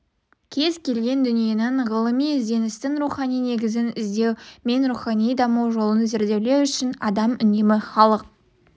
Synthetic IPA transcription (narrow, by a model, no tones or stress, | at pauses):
kʲʰe̞zkʲʰe̞lɡʲe̞nd̪ʏnije̞nɪɴʁəlˠəmijɪzd̪e̞nɪst̪ɪŋɾuχɑnijne̞ɡʲɪzɪnɪzd̪e̞wme̞nɾuχɑnijd̪ɑmɑwʒo̞lˠənzeɾd̪e̞wle̞wʏʃɪnɑ̰d̪ɑmʏne̞mɪχɑlˠəq̚